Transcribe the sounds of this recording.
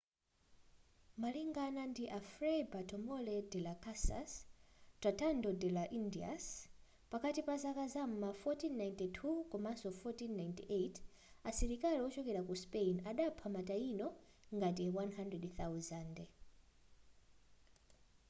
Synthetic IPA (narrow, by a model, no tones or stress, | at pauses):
maliŋɡanandiʔafɾebatʰɔmɔlɛdɛlakasa̰statandɔdɛlaʔindia̰s | pakatipazakazam̩mafɔtinːajntitʰukɔmasɔfɔtinːajntiʔetʰ | asɛɾikaliwɔt͡ʃɔkɛɾakuspenaɗapʰamatainɔ | ŋɡat̬iwanɦandrɛdθawzandɛ